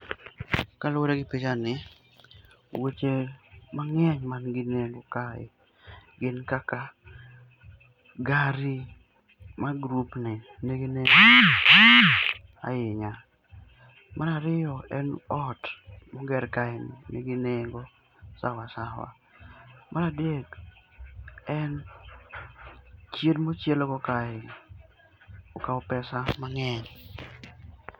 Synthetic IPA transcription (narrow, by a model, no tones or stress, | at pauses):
kalʊoɾeɡɪpit͡ʃanɪ | wet͡ʃemaŋɛɲmanɡɪneŋɡokaɪ̰ | ɡɪnkaka | ɡaɾi | maɡɾupnɪ | neɡine | a̰jɪɲa | mʔanaɾɪjɔɛnɔtmɔɡɛrkaɪnɪ̰nḛɡineŋɡo | sa̰wasawa̰ | mʔanadeɡ | ɛn | t͡ʃjedmot͡ʃjelɔkɔkaɪ | okaɔpɛsamaŋɛɲ